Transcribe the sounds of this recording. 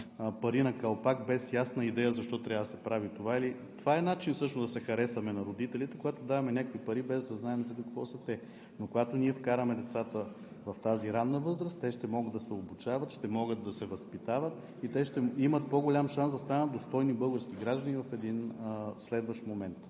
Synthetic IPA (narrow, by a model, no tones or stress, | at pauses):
pɐɾinɐkɐlˠpakbɛsjasnəid̪ɛjəzɐʃt̪ɔt̪ɾʲavəd̪ɐsɛpɾavit̪ovailit̪ovaɛnat͡ʃinsɤʃnozd̪ɐsɛxɐɾɛsɐmɛnɐɾod̪it̪ɛlʲit̪ɛkoɡat̪od̪avɐmɛnʲakoipɐɾibɛzd̪ɐznaɛmɛsɛd̪əkvɔsət̪ɛ | nokoɡat̪oniɛfkaɾəmɛd̪ɛt̪sat̪ə | vɐft̪aziɾanːəvɤzɾəst̪ɛʃt̪ɛmɔɡəd̪ɐsɛobut͡ʃavɐt̪ʃt̪ɛmɔɡəd̪ːɐsɛvɐspit̪avət̪ | it̪ɛʃt̪ɛimət̪̚poɡolʲamʃansd̪ɐst̪anət̪̚d̪ost̪ɔjnibɤlˠɡəɾskiɡɾaʒd̪ənivɐfɛd̪inslɛd̪vəʃt̪momɛnt̪